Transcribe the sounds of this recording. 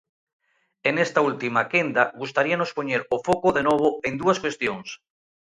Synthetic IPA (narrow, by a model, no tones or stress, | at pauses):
enest̪ault̪imakend̪aɣust̪aɾianospoɲeɾofokoðenoβoend̪uaskwest̪joŋs